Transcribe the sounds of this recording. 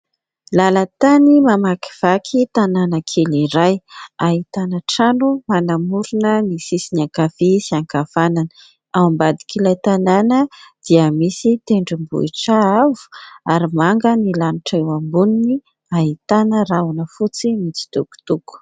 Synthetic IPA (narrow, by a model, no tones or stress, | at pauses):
lalət̪animamaki̥v̥akʰit̪ananəkʰeliɾajaɦit̪anəʈ͡ʂanumanamuɾunənisisiniakafisiaŋkavananə̥ | awmbad̪i̥kʰilajt̪ananəd̪̥iəmisit̪eɳɖ͡ʐimbṵiʈ͡ʂaavu̥aɾimaŋɡənilanuʈ͡ʂaewambunini | aɦit̪anəraunəfut͡simit͡si̥t̪uku̥t̪uku̥